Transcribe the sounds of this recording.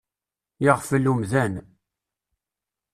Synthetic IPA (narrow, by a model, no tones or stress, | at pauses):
jəʁfəlːumðæn